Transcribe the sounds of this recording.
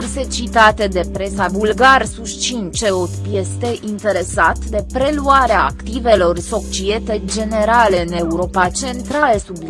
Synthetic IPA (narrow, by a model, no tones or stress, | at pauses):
rse̞t͡ʃit̪at̪e̞d̪e̞pɾe̞savulɡarsuʃt͡ʃint͡ʃeot̪pjest̪e̞ʔint̪e̞ɾe̞sat̪d̪e̞pɾe̞luaɾeaːkt̪ive̞lo̞rso̞kt͡ʃiet̪e̞d͡ʒe̞ne̞ɾaleɨne̞uɾo̞pat͡ʃe̞nt̪ɾalesub